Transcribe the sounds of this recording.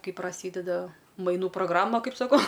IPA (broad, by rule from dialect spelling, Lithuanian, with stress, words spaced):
ˈkɐɪ prɐˈsʲiːdʲɛdɐ mɐɪˈnuː proːɡˈrɑːmɐ ˈkɐɪp sɐˈkɐʊ